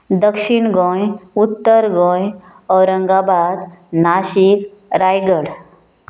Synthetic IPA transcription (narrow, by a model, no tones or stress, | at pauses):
d̪əkʂiɳɡõjut̪ːəɾɡõj | əwɾəŋɡabad̪naɕikɾajɡəɽ